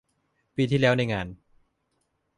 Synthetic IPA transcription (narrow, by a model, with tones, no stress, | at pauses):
piː˧t̪ʰiː˥˩lɛː˦˥wna˧jŋaː˧n